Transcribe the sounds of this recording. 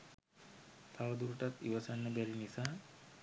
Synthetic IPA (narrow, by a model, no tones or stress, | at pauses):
t̪ʰaʋəd̪uɾuʈat̪iʋəsanːəbæɾinisaː